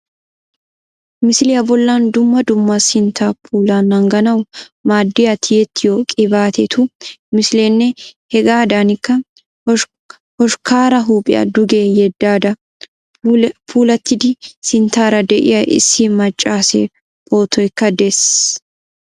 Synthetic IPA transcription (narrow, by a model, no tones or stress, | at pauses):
mɪslɪjɐbɔlːaːnd̪ʊmːɐd̪ʊmːɐsɪnt̪ʰaːpʰuːlaːnːɐŋɡɐnɐwmaːd̪ːɪjɐt̪ʰɪjɛt̪ːɪjoːkʼɪbaːt̪ʰɛt̪ʰumɪsleːnːɛhɛɡaːd̪aːnɪkːɐ | hɔʃkaːɾɐɦuːpʼɪ̰jɐ̰d̪ʊɡeːjɛd̪ːaːd̪ɐ | pʰuːlɐt̪ːɪd̪ɪsɪnt̪aːɾɐd̪ɛʔɪ̰jɐʔɪ̰sːɪmɐt͡ʃʼːaːsḛː | bʼo̞ːt̪ɔjkːɐd̪ɛs